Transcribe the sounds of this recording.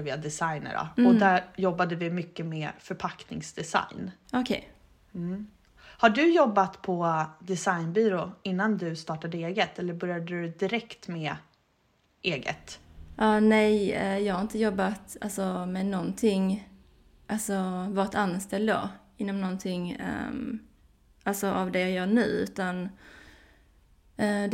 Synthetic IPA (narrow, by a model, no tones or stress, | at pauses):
vɪad̪ɛsajnə̰ɾɔ̰ɔæɾjɔbːad̪əvɪmʏkːəmɛːfœɾpʰaknɪ̰ŋsd̪ɛsa̰jn | ɔkʰɛ̰j̩ | haɖɵjɔbːat̪pʰɔd̪ɛsajnbyːɾoːɪnːand̪ɵst̪ɑːʈad̪əeːɡət̪ʰɛlːəɾbœɾjad̪əd̪ɵd̪ɪɾɛkt̪mɛ | ʔeːɡə̰t̪ | ʔɑːnɛjɛjɑːɡhaɾɪnt̪əjɔbːat̪alsɔmɛnɔnt̪ʰɪŋ | ʔalsɔvɑːɾɪt̪anːst̪ɛld̪a̰ɪnːɔmnɔnt̪ʰɪŋ̰ː | ʔalsɔʔavd̪ɛjɑːjœːɳʉ̟ːʉ̟ːt̪an | d̪